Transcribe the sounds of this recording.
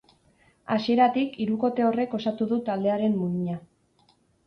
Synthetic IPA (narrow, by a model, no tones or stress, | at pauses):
asie̞ɾat̪ikiɾuko̞t̪e̞o̞re̞ko̞sat̪uðut̪ald̪e̞aɾe̞mːuɲia